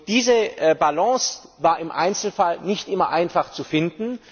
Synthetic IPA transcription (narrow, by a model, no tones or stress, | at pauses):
d̥iːzəbalɑ̃ːsvaːɐɪmʔa̰ɪnt͡sl̩falnɪçtʔɪmɐʔaɪnfaχt͡sufɪndn̩